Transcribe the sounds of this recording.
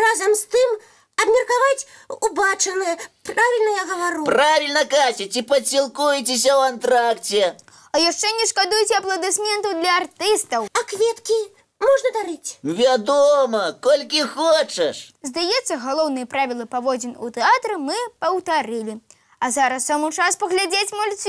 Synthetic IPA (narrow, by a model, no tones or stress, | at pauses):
razɐmst̪ɨm | ɐbmʲɐrkavat͡sʲubat͡ʂɐnɨjɐpɾavʲilʲnɐjaɣɐvaɾupɾavʲilʲnɐkasʲit͡sʲipɐsʲilˠkujt͡sʲes̬ʲɐwant̪ɾakt͡sʲɛ | ɐjaʂt͡ʂɛnʲɛʂkad̪ujɛt͡sʲɛɐplˠɐd̪ɨsmʲɛnt̪ɐwd̪lʲɐart̪ɨst̪ɐwɐkvʲɛt̪kʲi | mɔʐnɐd̪aɾɨt͡sʲvʲad̪ɔmɐkɔlʲkʲixɔt͡ʂɐʂzd̪ajɛt̪sːɐɣalˠɔwnɨjɐpɾavʲilˠɐpavɔd͡zʲinṵt̪ɛat̪ɾɨmɨpɐwt̪aɾɨlʲi | ɐzaɾɐsːamɨt͡ʂaspɐɣlʲad͡zʲet͡sʲmɔlʲsʲi